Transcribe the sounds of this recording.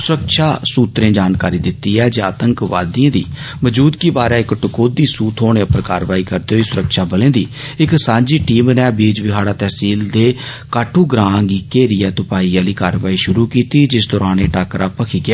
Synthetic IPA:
sʊɾəkʃaːsuːt̪ɾẽːd͡ʒaːnkaːɾiːd̪ɪt̪ːiːɛːd͡ʒaːt̪əŋkʋa̰ːd̪iãːd̪ḭː | məd͡ʒuːd̪kibaːɾeːɪkʈʊkoːd̪iːsuːt̪ʰɦoːɳeːəpəɾkaːɾʋaːiːkəɾd̪eːɦoiːsʊɾəkʃaːbəlẽːd̪iː | ɪksãːɲd͡ʒiːʈiːmnɛːbeːd͡ʒʋɪɦaːɽaːt̪ɛːsiːld̪eː | kaːʈʰuːɡɾãːŋɡiːkeːɾiːɛːt̪ʊpaːiːaːliːkaːɾʋaːiːʃʊɾuːkiːt̪iːd͡ʒɪsd̪ɔːɾaːneːʈaːkɾaːpəkʰiːɡɪaː

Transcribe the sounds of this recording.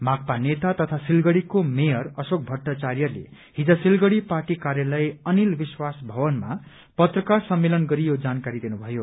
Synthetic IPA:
mak̚panet̪at̪ʌt̪ʰasilɡʌɽikomejʌrʌsok̚bʱʌʈːat͡sarijʌrlḛ | hid͡zʌsilɡʌɽiparʈikarjʌlʌjʌnilbiswasbʱʌbʌnma̰ | pʌt̪rʌkarsʌmːelʌnɡʌɾijod͡zankaɾid̪inubʱʌjo

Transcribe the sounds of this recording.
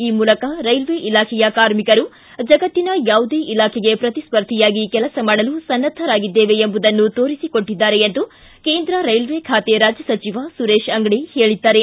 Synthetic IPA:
iːmuːlɐkɐɾɐjlʋeʔilaːkʰɛjɐkaːɾmikɐɾu | d͡ʒɐɡɐt̪ːinɐjaːʋud̪eːʔilaːkʰɛɡe̞pɾɐt̪ispɐɾd̪ʱijaːɡikɛlɐsɐmaːɽɐlusɐnːɐd̪ʱːɐɾaːɡid̪ːeːʋe̞ːmbud̪ɐnːut̪o̞ːɾisiko̞ɳʈːid̪ːaːɾe̞ent̪u | ke̞ːnd̪ɾɐɾɐjlʋekʰaːt̪eɾaːd͡ʒjɐsɐt͡ʃiʋasuɾeːʃɐŋɡɽiheːɭid̪ːaːɾe̞

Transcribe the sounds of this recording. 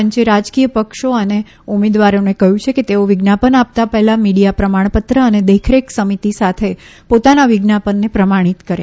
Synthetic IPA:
əɲt͡ʃeɾad͡ʒkijəpəkʃoəne | umed̪ʋaɾjonekəɦjũt͡ʃʰeket̪eoʋɪɡnapəɳap̚t̪apəɦɛlamiɽijapɾəmaɳ̃pət̪ɾəəned̪ekʰɾeksəmit̪isat̪ʰepot̪anaʋɪɡnapənːepɾəmaɽ̃it̪kəɾja̰

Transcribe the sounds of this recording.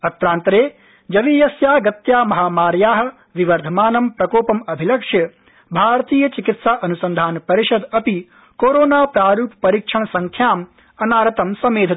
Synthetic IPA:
ɐt̪ɾaːnt̪ɾeː | d͡ʒɐʋiːjɐsjaːɡɐt̪jaːmɐɦaːmaːɾjaːɦɐ̆ | ʋiʋɐɾd̪ʱɐmaːnɐmpɾɐkoːpɐmɐbʱilɐkʂjɐ | bʱaːɾɐt̪iːjɐt͡ʃikit̪saːʔɐnusɐnd̪ʱaːnpɐɾiʃɐd̪ɐpi | koːɾoːnaːpɾaːɾuːppɐɾiːkʂɐɳsɐŋkʰjaːm | ɐnaːɾɐt̪ɐmsɐmeːd̪ʱɐ

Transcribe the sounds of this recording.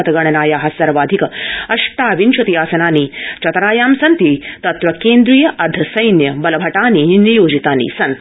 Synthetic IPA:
ɐt̪ɐɡɐɳɐnaːjaːɦɐsɐɾɐʋaːd̪ʱikɐɐʂʈaːʋinʃɐt̪ijaːsɐnaːniːt͡ʃɐt̪ɾaːjaːmsɐnt̪it̪ɐt̪ɾɐkeːnd̪ɾiːjɐʔɐd̪ʱːɐsɐjnjɐbɐlɐbʱɐʈaːniːnijoːd͡ʒit̪aːnḭːsɐnt̪

